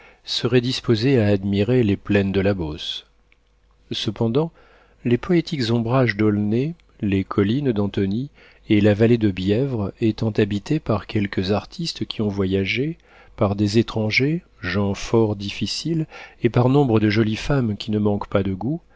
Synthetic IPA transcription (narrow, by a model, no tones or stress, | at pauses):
səʁɛd̪ispozeaːd̪miʁeleplɛnd̪əlabos | səpɑ̃d̪ɑ̃ | lepʰɔet̪ʰikzɔ̃bʁaʒd̪ɔlne | lekʰɔlind̪ɑ̃t̪ɔni | elavaled̪əbjɛvʁet̪ɑ̃t̪abit̪epaʁkʲɛlkəzaʁt̪ʰist̪kʲʰiɔ̃vwajaʒe | paʁd̪ezet̪χɑ̃ʒe | ʒɑ̃fɔʁd̪ifisilepaʁnɔ̃bʁəd̪əʒɔlifamkʲinəmɑ̃kpad̪əɡu